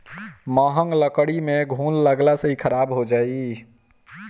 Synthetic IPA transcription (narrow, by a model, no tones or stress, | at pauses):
məɦəŋɡləkəɽimeɡʱunləɡlasəɦikʰəɾabɦod͡ʒai